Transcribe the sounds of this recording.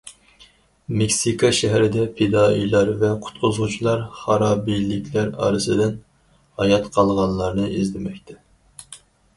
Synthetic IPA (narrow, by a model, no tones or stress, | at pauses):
mekʲsikʰɑʃɛɦɾɪd̪ɛpʰed̪ɑːijlˠɑɾvɛqʰʊ̥t̪qʰʊzʁut͡ʃʰilˠɑɾχɑɾɑːbijlɪkʲʰlæɾɑ̰ːɾɨsɨd̪ɪn | hɑjɑt̪qʰɑlˠʁɑnlˠɑɾnɨʔizlɪmɛkʲt̪ʰɛ̥